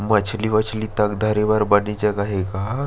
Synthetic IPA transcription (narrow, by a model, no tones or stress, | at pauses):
mat͡ɕʰliːʋat͡ɕʰliːt̪akd̪ʱaɾeʋaɾbanid͡ʑakaɦeka